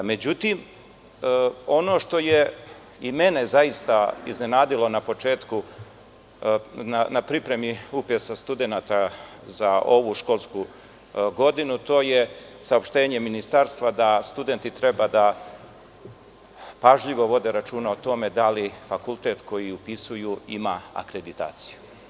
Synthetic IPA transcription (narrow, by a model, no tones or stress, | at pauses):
me̞d͡ʑut̪iːm | o̞no̞ːʃt̪o̞je | ime̞ne̞zaist̪aḭzne̞naːd̪ilo̞napo̞t͡ʃe̞ːt̪ku | nanapɾipɾe̞miupjesast̪ud̪e̞naːt̪a | zao̞ʋuʃko̞ːlˠsku | ɡo̞d̪inut̪o̞ːje̞saopʃt̪e̞ːɲe̞minist̪aɾst̪ʋad̪ast̪ud̪e̞nt̪it̪ɾe̞bad̪a | paʒʎiʋo̞ʋo̞d̪e̞ɾat͡ʃuːnaot̪o̞me̞d̪alifakulˠt̪e̞t̪ko̞jiupisujuimaa̰kɾe̞d̪it̪a̰ːt̪si̥ju